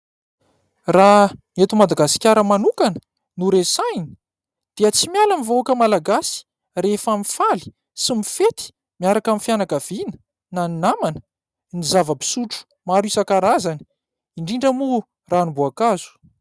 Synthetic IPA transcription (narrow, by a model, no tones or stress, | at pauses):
raŋet̪umad̪aɡasi̥kʲaɾəmanukanə̥ | nuɾesajni̥ | d̪̥iət͡simialamivoakəmalaɡasi̥ | refamifali̥ | simifet̪i̥ | miaɾakamifjanakav̥inə̥ | naninamanə̥ | nizavəbi̥suʈ͡ʂu̥ | maɾisakaɾazani̥ | iɳɖ͡ʐiɳɖ͡ʐəmu | ranibuakazu̥